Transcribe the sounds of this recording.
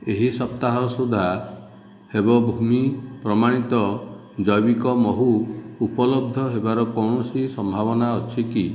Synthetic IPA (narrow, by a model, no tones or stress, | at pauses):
eɦisɔp̚t̪aɦɔsud̪ʱa | hebɔbʱumipɾɔmaɽ̃it̪ɔ | d͡ʒɔjbikɔmɔɦuːpɔlɔb̚d̪ʱɔɦebaɾɔkɔwɳɔsisɔmbʱaβɔnaɔt͡ʃʰiki